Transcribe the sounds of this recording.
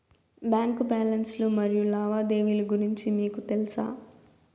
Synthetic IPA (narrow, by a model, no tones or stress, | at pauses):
baːŋkubaːlɐnslumɐɾijulaːʋaːd̪e̞ːʋiluɡuɾiɲt͡ʃimiːkut̪elisa̰ː